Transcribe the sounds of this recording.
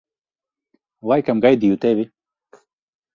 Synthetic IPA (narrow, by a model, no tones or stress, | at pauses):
wajkɐmɡajd̪ijut̪ewi